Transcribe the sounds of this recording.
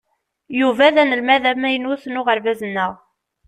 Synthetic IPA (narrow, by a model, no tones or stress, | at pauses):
juvæðænəlmæðæmæjənuθnʊʁəɾvæzənːəʁ